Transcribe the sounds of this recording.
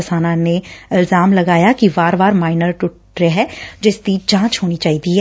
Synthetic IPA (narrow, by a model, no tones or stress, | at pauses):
ɪsaːnãneɪlzaːmlɐɡaːjakiʋaːɾʋaːɾmaːɪnəɾʈʊʈ | ɾeɦɛːd͡ʒɪst̪iːt͡ʃãːt͡ʃɦoːnit͡ʃaːɦit̪iɦɛː